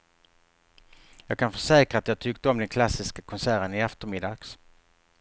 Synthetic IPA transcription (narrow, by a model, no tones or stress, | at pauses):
jɑːɡ̚kʰanfœʂɛːkɾaːt̪jɑːɡ̚t̪ʰʏkt̪əɔmd̪ɛnkʰlasːɪskakʰɔnsæːɾənɪɛft̪əɾmɪd̪ɑːɡ̥s